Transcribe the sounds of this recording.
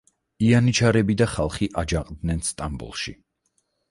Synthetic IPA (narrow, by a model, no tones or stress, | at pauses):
ianit͡ʃʰaɾɛbid̪aχalˠχiʔad͡ʒaqʼd̪nɛnst̪ʼambṵlˠʃḭ